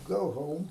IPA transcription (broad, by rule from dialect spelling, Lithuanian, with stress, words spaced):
ˈɡɐʊ ˈɣoːʊm